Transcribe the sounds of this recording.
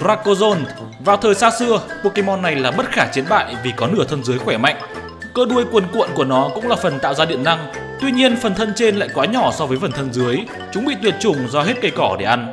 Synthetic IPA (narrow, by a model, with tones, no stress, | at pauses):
zaː˧˥kːo˧zo˧n | vaː˨˩wt̪ʰəː˨˩jsaː˧sɨ˧əpu˧ki˧mɔ˧nːa˨˩jlaː˨˩mə˦˥t̚xaː˧˩t͡ɕi˨˦ənɓa̰ː˧˨jʔvi˨˩kɔ˨˦nɨ˧˩ət̪ʰə˧nzɨ˨˦əjxwɛ˧˩ma̰˧˨jŋ̟ | kəː˧ɗu˧əjkwə˧˩nkw̰ənku˧˩ənɔ˨˦kʊ̰˧˥ŋ͡mlaː˨˩fə˨˩nt̪a̰ː˧˨wzaː˧ɗḭ˧˨ənːa˧ŋ | t̪wi˧ɲi˧ənfə˨˩nt̪ʰə˧nt͡ɕe˧nla̰ː˧˨jkwaː˨˦ɲɔ˧˩sɔ˧vəː˨˦jfə˨˩nt̪ʰə˧nzɨ˨˦əj | t͡ɕʊ˨˦ŋ͡mɓḭ˧˨t̪wi˨˩ət̚t͡ɕʊ˨˩ŋ͡mzɔ˧ɦe˦˥t̚kə˧jkɔ˧˩ɗe˧˩ʔa˧jn